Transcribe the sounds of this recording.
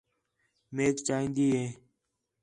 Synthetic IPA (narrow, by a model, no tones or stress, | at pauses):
meːkt͡ʃaːɦĩːnd̪iːɦẽː